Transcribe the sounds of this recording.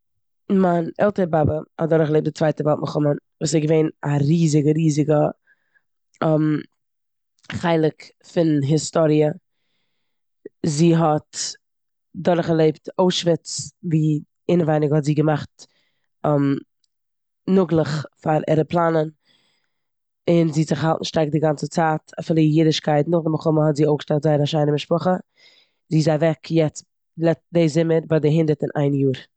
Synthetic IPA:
manɛ̰lˠtəɾəbabəhɔ̰t̚dɔɾχlˠeɪp̚dɪt͡svaɪtəvɛlˠt̚mʔəχʊmənvuːsɛɡəveɪnaɾiːzɪɡəɾiːzɪɡə | ɛm | χaɪlˠɪk | fɪnɦɪstɔɾiə | ziːɦɔt | dɔɾχalˠeɪptoʊʃvɪt͡sviː | ɪnəvaɪnɪɡəhɔtziːɡəmaχtː | m | nʊɡlˠəχfaɾɛ̰ɾəplˠanən | ɪnziːzɪχhalˠtn̩ʃtaɪk̚dɪɡant͡sət͡saːtafɪːlˠəjidɪʃkʰaɪtnʊχdəməχʊməhɔtziːoʊɡəʃtatzaɪɾaʃaɪnəmɪʃpʊχə | ziːzaɪvɛkjɛt͡s | lɛdeɪzɪməɾbadɪɦɪndəɾtɪnʔa̰ɪnjuːɾ

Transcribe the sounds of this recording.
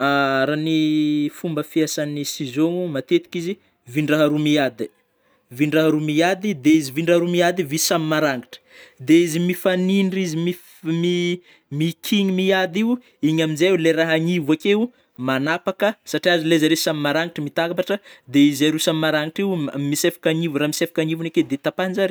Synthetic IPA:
aɾanifumbəfiasanisizoŋumat̪et̪i̥kizi | viɳɖ͡ʐaɦaɾumiad̪i | viɳɖ͡ʐaɦaɾumiad̪id̪eiziviɳɖ͡ʐaɦaɾumiad̪ivisamimaɾaŋiʈ͡ʂə̥d̪eizimifaniɳɖ͡ʐizimi | mi | mikʰiɲimiad̪iu | iɲaminzajuleɾaɦaɲivakeu | manapakəsaʈ͡ʂiazilezaɾesamimaɾaŋiʈ͡ʂəmit̪akapaʈ͡ʂəd̪eizaɾusamimaɾaŋiʈ͡ʂimisefḁkaɲivuɾamisefḁkaɲivuneked̪et̪apanzaɾi

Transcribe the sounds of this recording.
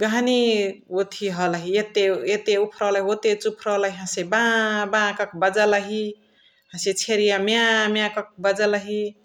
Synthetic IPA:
ɡaɦniot̪ʰiɦʌlaɦiet̪eet̪eupʰɾɔləɦiot̪et͡ʃupʰɾʌləɦiɦãsebãbãkʌk̚ʰbəd͡zaləɦi | ɦãset͡ʃʰeɾijamjãmjãkʌk̚bəd͡zləɦi

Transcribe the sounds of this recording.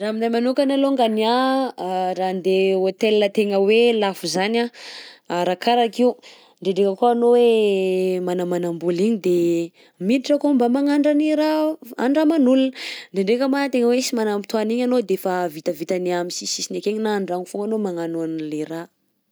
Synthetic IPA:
raminajmanukanaloŋɡania | ɾand̪eot̪elnət̪eŋəwelafuzanaaɾakaɾakiw | ɳɖ͡ʐeɳɖ͡ʐekəkoanowe | manamanambuliɲid̪e | miliʈ͡ʂəkombamaŋaɳɖ͡ʐaniɾaaɳɖ͡ʐamanulunɳɖ͡ʐeɳɖ͡ʐekəmat̪eŋəwesimanamit̪uaniɲanod̪efavit̪əvit̪aneamisisisinekeɲinaɳɖ͡ʐaŋifuŋɡanomaŋanuanleɾa

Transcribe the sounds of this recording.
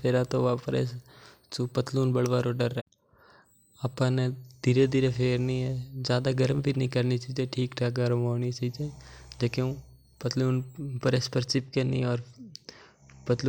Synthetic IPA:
pʰeːɾat̪oʋaːpɾḛs | t͡ʃopət̪luːnbəɽʋaːɾoɖəɾɛː | apãned̪̥iːɾed̪iːɾepʰeːɾnəĩɦɛd͡ʒjaːd̪aɡəɾəmbʱinəĩkəɾnit͡ʃaːid͡ʒeʈʰiːkʈʰaːkaɾmoːnit͡ʃaid͡ʒed͡ʒekeũ | pət̪luːnpəɾespəɾt͡ʃɪp̚kenḭ̃ɔːɾ | pət̪luː

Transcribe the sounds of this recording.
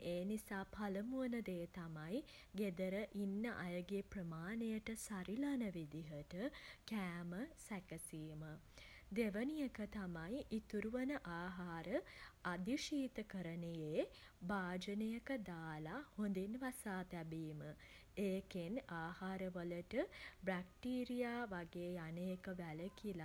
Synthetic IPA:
eːnisaːpʰaləmuənəd̪eːt̪amaj | ɡed̪əɾəʔinːəʔajəɡeprəmaːnejəʈəsaɾilanəʋid̪iɦəʈəkæːməsækəsiːmə | d̪eʋənijəkət̪amajit̪uɾuʋənəʔaːɦaːɾəad̪iʃiːt̪əkəɾənəjeː | baːd͡ʒənejəkəd̪aːlahond̪inʋasaːt̪æbiːmə | eːkenaːhaːɾəʋələʈəbɾak̚ʈiːɾijaːʋaɡeːjanəjəkəʋæləkila

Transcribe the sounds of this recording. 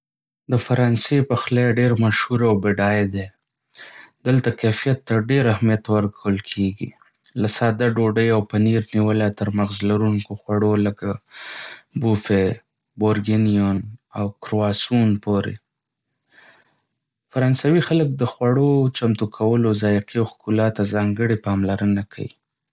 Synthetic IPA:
d̪əfaɾɑnsepaxlaɖeɾmaʃhuɾawbeɖɑjed̪e | d̪əlt̪akafijat̪ːaɖeɾahmijat̪wəɾkawəlkʰeɡḭ | lasɑd̪aɖoɖəjawpaniɾniwəlat̪əɾmaxzlaɾuŋkoxwaɽoləka | bufe | boɾɡɪnijonawkɾoɑsunpoɾḛ | faɾɑnsawixalək̚d̪əxwaɽot͡ʃamt̪ukʰawəlozɑjɪqiawxkulɑt̪ːazɑŋɡəɽipɑmlaɾənakʰa̰wḭ

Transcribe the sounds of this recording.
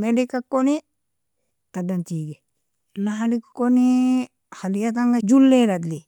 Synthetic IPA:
meɖikakːoni | t̪adant̪iːɡe | naɦalikkoni | halijat̪̬aŋɡad͡ʒulːeɾad̪li

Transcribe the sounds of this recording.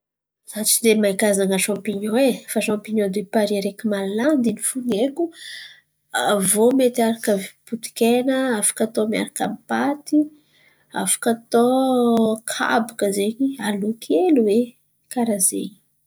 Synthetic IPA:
zat͡ʃid̪emaikaznaŋəʃãmpiɲowefaʃãmpiɲod̪epaɾiɾekimalaland̪inifuneku | avomet̪iaɾakəvput̪i̥kenəafḁkat̪omja̰ɾaka̰mipat̪i | a̰fḁkat̪o | kʰa̰bakəzeɲialukʰeluwe | kaɾazḛɲi̥

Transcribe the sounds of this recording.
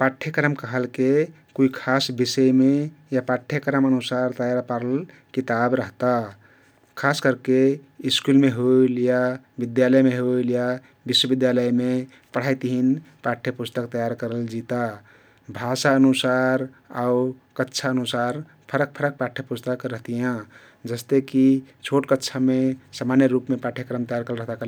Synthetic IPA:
paʈʰːjekɾəmkəɦəlke | kuikʰasbisəjmejapaʈʰːjekəɾəmənusaɾt̪əjaɾpaɾəl | kit̪abɾəɦt̪a | kʰaskəɾkeiskulmeɦoilja | bid̪jaləjmeɦoilja | biswəbid̪jaləjme | pəɽ̤ajt̪iɦinpaʈʰjəpust̪əkt̪əjaɾkəɾəld͡ʒit̪a | bʱasaənusaɾ | aukətːʃʰaənusaɾ | pʰəɾək̚pʰəɾək̚paʈʰjəpust̪əkɾəɦt̪ijã | d͡ʒəst̪ekit͡ʃʰoʈkətːt͡ʃʰamesamanjəɾupmepaʈʰjekɾəmt̪əjaɾkəlɾəɦt̪akel

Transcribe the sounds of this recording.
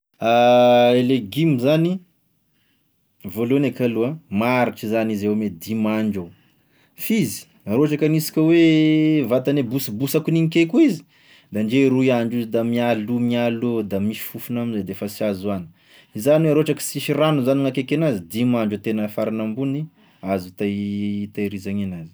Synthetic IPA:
aeleɡimizani | volonekaluamaɾiʈ͡ʂizanizewmed̪imaɳd͡ʒu | fizi̥ | aɾoaʈ͡ʂakanisi̥kʲəwevat̪anebusibusakuniŋikekuizi̥ | d̪anɖ͡ʐeɾuiaɳɖ͡ʐizid̪amialumialod̪amiʃi̥fufunaminzad̪efəsiazuani̥ | izaniweɾoaʈ͡ʂakə̥siʃiranuzaniŋakekenazid̪imaɳɖ͡ʐut̪enəfaɾinambuni | azut̪at̪ajɾizaŋenazi̥

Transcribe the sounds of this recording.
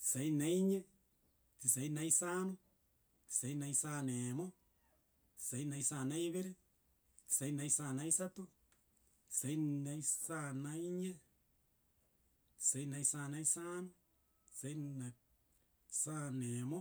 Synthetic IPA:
sainaiɲe | tisainaisanu | sainaisanemo | sainaisanaiβeɾe | sainaisanaisat̪u | sainaisanaiɲe | sainaisanaisano | seina | sanemo

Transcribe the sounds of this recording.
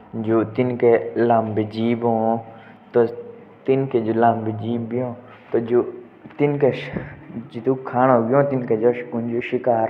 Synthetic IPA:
d͡ʒoːt̪ɪnkelãːmbed͡ʒiːbɦõː | t̪o | t̪ɪnked͡ʒolãːmbed͡ʒiːbiɦõː | t̪od͡ʒo | t̪ɪnkeʃd͡ʒit̪ukʰaːnoːɡiõːt̪ɪnked͡ʒoːʃkund͡ʒoʃɪkaːɾ

